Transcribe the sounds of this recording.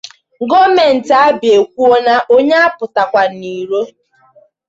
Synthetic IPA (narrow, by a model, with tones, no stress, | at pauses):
ŋ̩˨ɡo˦me˨n̩˨ta˨a˦bɪ˨e˨kʷu˦o˦na˦ʔo˦ɲe˦a˦pʊ˨ta˨kʷa˨ni˨ɾo˦